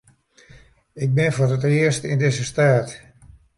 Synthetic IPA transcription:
ɪk̚bɪnfʊrətɪərstɪndɪzəstaːt

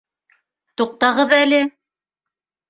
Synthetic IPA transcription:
t̪uq̚t̪ɑʁɤðælɘ

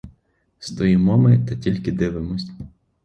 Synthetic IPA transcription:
st̪ɔjimɔmɪt̪ɐtʲilʲkʲɪd̪ɪʋɪmɔsʲtʲ

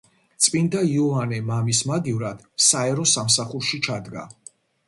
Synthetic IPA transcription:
t̪sʼpʼind̪aiɔanɛmamismaɡ̪ivɾad̪̥saɛɾɔsamsaχuɾʃit͡ʃʰad̪ɡa̰

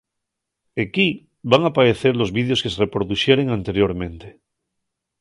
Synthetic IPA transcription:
eki | βaŋapaɾeθeɾlo̞zβiðjo̞skeserepɾoðusje̞ɾeŋant̪e̞ɾjo̞ɾmẽ̞nt̪e

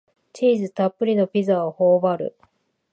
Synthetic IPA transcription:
t͡ɕiːzɨt̪apːɯ̟ɾʲino̞pʲizaohoːbaɾɯ̟̰

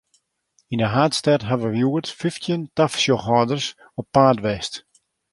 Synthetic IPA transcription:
inəɦaːtstɛtɦaʋəjuərtfiftʰjəntafsjɔxhɔːdərs | ɔpːaːdʋɛst

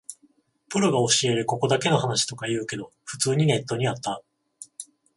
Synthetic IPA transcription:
pɯ̟ɾoɡao̞ɕie̞ɾɯko̞ko̞d̪ake̞no̞hanaɕi̥t̪o̞kajɯ̟ːke̞d̪o̞ɸɯ̟t͡sɨːɲ̟ine̞t̪ːo̞ɲ̟iat̪ːa

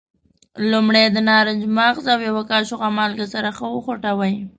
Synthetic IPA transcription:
lumɽed̪ənɑɾɪd͡ʒmaɣzawjawakɑʃoɣamɑlɡasaɾaxəwəxoʈawəj

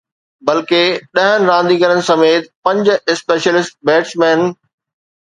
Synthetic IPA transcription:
bɐlkeɗɐɦənɪ̆ɾãːnd̪iɡɐɾənɪ̆sɐmeːt̪pɐ̃ɲd͡ʑ̆ɪspeːʃjəlɪsʈ̚beːʈsmɛ̃ːn

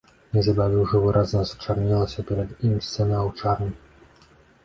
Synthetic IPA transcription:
nʲɛzɐbavʲiwʐɐvɨɾʔaznɐst͡ʂarnʲɛlˠɐsʲɐpʲɛɾɐd̪imʲsʲt͡sʲsʲɛnɐɐwt͡ʂarnʲi

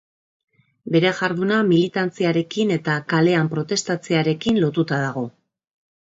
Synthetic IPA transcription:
be̞ɾe̞ʝaɾðunamilit̪ant͡siaɾe̞kine̞t̪akale̞ampɾo̞t̪e̞st̪at͡se̞aɾe̞kinlo̞t̪ut̪að̞aɣ̞o̞

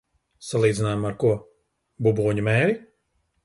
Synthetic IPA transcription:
salˠiːd̪inaːjmaɾkuɔ | bubuːɲumɛːɾi

